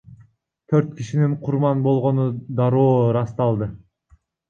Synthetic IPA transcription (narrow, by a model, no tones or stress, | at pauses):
t̪ʰøɾt̪kiʃiniɴqʰuɾmɑnbo̞lˠʁo̞nud̪ɑɾoːɾɑst̪ɑlˠd̪ɯ